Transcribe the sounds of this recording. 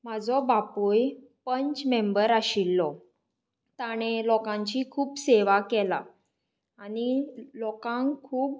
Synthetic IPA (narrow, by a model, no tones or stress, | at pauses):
m̤ad͡zɔbapoj | pəɲt͡ɕmembəɾaɕilːɔ | t̪aɽ̃elɔkãɲt͡ɕiːkʰuːpseʋakɛla̰ | anilɔkãŋkʰuːp